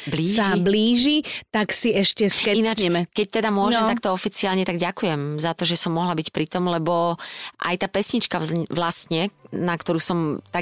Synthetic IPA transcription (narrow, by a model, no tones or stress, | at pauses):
bliːsaibliːʒit̪aksiɛʃcɛsɛinat͡ʃɛmɛkɛc̚t̪ɛd̪amʊɔʒɛmt̪ak̚t̪ɔɔfit͡siaːlɲɛt̪aɡɟakujɛmzat̪ɔʒɛsɔmːɔɦlabicpɾit̪ɔmlɛbɔʔa̰jt̪aːpɛsɲit͡ʃkaʋlast̪ɲɛnakt̪ɔɾuːsɔmt̪a